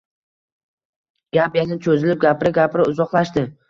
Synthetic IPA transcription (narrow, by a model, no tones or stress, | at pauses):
ɡ̥ʲapjanɪt͡ʃʰɵzɪlɪp̚ɡʲapɪɾɪɡʲapʰɾɪʊzɒqlˠaʃd̪ɪ